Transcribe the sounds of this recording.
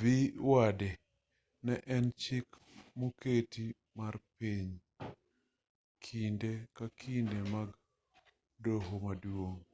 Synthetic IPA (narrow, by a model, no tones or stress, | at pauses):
viwade | nɛʔɛnt͡ʃik | moketi | marpiɲ | kʰindekakʰindemaɡ | doɦomadwoŋ